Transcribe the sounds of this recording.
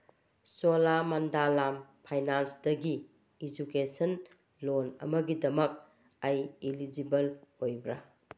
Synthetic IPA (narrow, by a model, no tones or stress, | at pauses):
solamandalampʰajnansdɐɡiː | d͡ʒukesɐn | lonɐ̰mɐɡidɐmɐk̚ | ajilid͡ʒibɐlojbɾɐ